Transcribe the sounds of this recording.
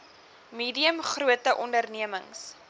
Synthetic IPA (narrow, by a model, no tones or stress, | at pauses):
miːdiəmχruətəʔɔndərniəməŋs